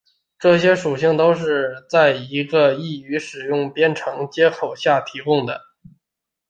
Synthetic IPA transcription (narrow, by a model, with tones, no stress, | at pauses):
ʈ͡ʂɤ˥˩ɕjɛ˥ʂu˨˩ɕi˥˩ŋt̪o˥ʊʂ̬ɻ̩˥˧t͡sa˥˩ɪi˧˥ɡə˧i˥˩y˧˥ʂɻ̩˨˩jʊ˥˩ŋpjɛ˥nʈ͡ʂʰɤ˧˥ŋt͡ɕjɛ˥xʰo˨˩ʊɕja˥˩t̪ʰi˧˥kʊ˥ŋd̪ə̰˩